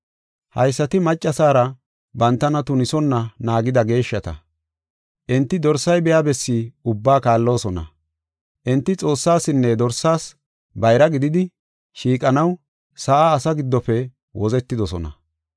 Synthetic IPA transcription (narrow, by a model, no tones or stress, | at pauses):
hɐ̰jsːɐt̪ɪmɐt͡ʃʼːɐsaːɾɐ | bɐnt̪ːɐnɐt̪ʊnɪsɔnːɐnaːɡɪd̪ɐɡe̞ːʃːɐt̪ɐ̰ | ʔɛnt̪ːɪd̪ɔɾsɐjbɛjabɛsːiʊbːaːkaːlːo̞ːsɔnɐ̰ | ʔɛnt̪ːɪt͡sʼo̞ːsːaːsɪnːɛd̪ɔɾsːaːs | bɐjɾɐɡɪd̪ɪd̪ɪ | ʃiːkʼɐnɐw | sɐʔaːsɐɡɪd̪ːɔfɛ | wɔzɛt̪ːɪd̪ɔsɔ̰nɐ̰